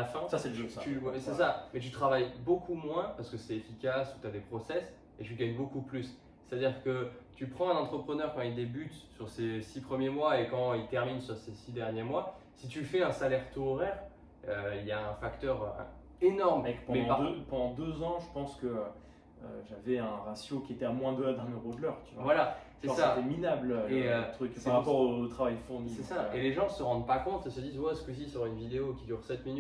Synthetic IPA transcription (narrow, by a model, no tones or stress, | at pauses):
afɛ̃sasɛlʒøt̪yɛsɛsamɛt̪̬yt̪χavajbokʰumwɛ̃paʁsə̥kəsɛefikʲasut̪yad̪epχɔsɛs | et̪yɡaɲbokuplys | sɛ̥t̪ad̪iʁkət̪ypχɑ̃ɛ̃nɑ̃t̪χəpχənœʁkɑ̃ild̪ebyt̪syʁsesipχəmjemwaekɑ̃ilt̪ɛʁminsyʁsesid̪ɛʁnjemwasit̪ylfɛɛ̃salɛʁt̪oʁɛʁ | øiljaɛ̃fakt̪œʁø̰ | enɔʁmkpɑ̃mɛd̪̃pad̪pɑ̃d̪ɑ̃d̪øzɑ̃ʒəpɑ̃skəø | øʒavɛɛ̃ʁasjokʲiet̪ɛamwɛ̃d̪øad̪ɛ̃nøʁod̪əlœʁt̪yvwavwalasɛɔsat̪ɛminabløøət̪χykaʁapɔʁot̪χavajd̪əfuʁnisɛsaeleʒɑ̃səʁɑ̃d̪pakɔ̃t̪esəd̪izvwaɛskəs̬isyʁaynvid̪eokʲid̪yʁsɛt̪miny